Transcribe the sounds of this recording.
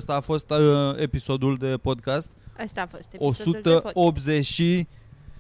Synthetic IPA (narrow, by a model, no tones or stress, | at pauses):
st̪aːfo̞st̪episo̞d̪uld̪e̞po̞d̪kast̪soo̞sut̪əobzeʃi